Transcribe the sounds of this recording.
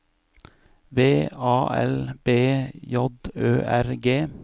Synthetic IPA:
ʋeːɑːʔɛ̰lb̥eːjɔd̪øːʔæɾɡeː

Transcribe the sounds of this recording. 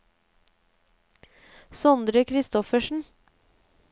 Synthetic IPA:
sɔnd̪ɾəkʰɾɪst̪ɔfəʃɳ̩

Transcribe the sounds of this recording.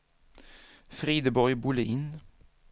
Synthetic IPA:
fʁiːd̪əbɔɾbʊləʔɪn

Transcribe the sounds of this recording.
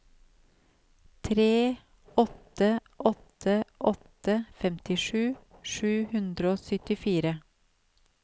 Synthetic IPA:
t̪ʰɾeː | ɔt̪əʔɔt̪ʰəʔɔt̪əfɛmt̪ɪʃʉːʃʉːhʉnd̪ɾəoːsœt̪ɪfiːɾə

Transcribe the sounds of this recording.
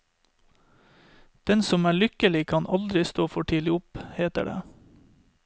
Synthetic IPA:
d̪̥ɛnsɔmæːɭʏkəlɪkʰɑnʔɑld̪ɾɪst̪oːfɔʈʰiːlɪʊpheːt̪ə̰ɖḛː

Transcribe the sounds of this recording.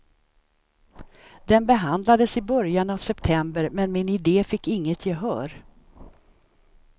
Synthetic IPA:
d̪ɛnbɛɦand̪lad̪əsɪbœɾjanavsɛpt̪ʰɛmbəɾmɛnmɪnɪd̪eːfɪkːɪŋːət̪ʰjeːɦœ̰ːɾ

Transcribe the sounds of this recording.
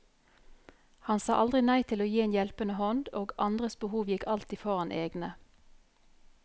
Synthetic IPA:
hɑnsɑːʔɑld̪ʁɪnæɪt̪ʰɪloːjiːeːnjɛlpənəhɔnd̪oːɡʔɑnd̪ʁəsbəhuːʋjɪkʰɑlt̪iːfɔʁɑnʔḛːɡnə

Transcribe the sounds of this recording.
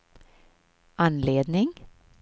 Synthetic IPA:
ɑnleːd̪nɪŋ

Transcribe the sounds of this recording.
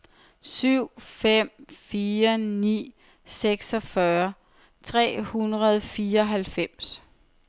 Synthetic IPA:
syʊ̰fem̰fiːɐnḭː | seɡ̥sɒ̽fɶɐ | t͡sʰʁɛ̰ːhunʁɐð̞ˠfiːɐɒ̽ɦælfem̰s

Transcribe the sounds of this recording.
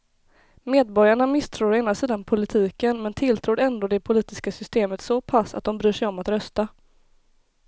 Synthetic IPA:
meːd̪̚bɔɾjaɳamɪst̪ʰɾuːɾɔeːnasiːd̪anpʰʊlɪt̪ʰiːkənmɛnt̪ʰɪlt̪ʰɾuːɾɛnd̪oːd̪ɛpʰʊliːt̪ɪskasʏst̪eːmət̪sɔpʰasa̰t̪̚d̪ɔmbɾyːʂɛjɔmat̪ɾœst̪a

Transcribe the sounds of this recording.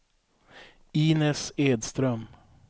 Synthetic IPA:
iːnɛseːd̪st̪ɾœm

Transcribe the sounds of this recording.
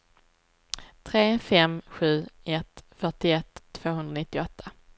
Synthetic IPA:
t̪ʰɾeːfɛmɧʉ̟ːɛt̪fœʈɪɛt̪ʰːv̥oːɦɵnɾanɪt̪ːɪɔt̪ʰːa

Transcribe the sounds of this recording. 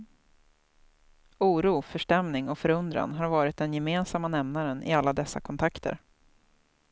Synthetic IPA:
uːɾuːfœʂʈɛmnɪŋɔkfœɾɵnd̪ɾa̰nɦaɾvɑːɾɪt̪̚d̪ɛnjɛmeːnsamːanɛmnaɾənʔɪ̰alːad̪ɛsːa̰kʰɔnt̪ʰakt̪ʰə̰ɾ

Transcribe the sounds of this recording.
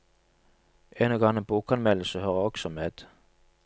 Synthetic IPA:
ʔenɔɡɑŋəbuːkɑnmɛləsəhøːʁəɔɡ̥sɔmeːd̪̥

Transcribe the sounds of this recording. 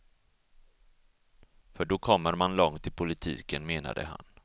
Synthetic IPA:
fœɖɔkʰɔmːəɾmanlɔŋt̪ʰːɪlpʰʊlɪt̪ʰḭːkənmeːna̰d̪ə̰ha̰n

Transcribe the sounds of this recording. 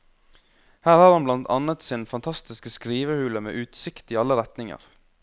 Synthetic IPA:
hæːɾhɑːɾhɑnblɑnt̪ʰɑ̰nət̪siːnfɑnt̪ʰɑst̪ɪskəskɾiːʋəhʉːləmḛːʔʉːt̪sɪkt̪iːɑlːəɾɛt̪nɪŋə̰ɾ

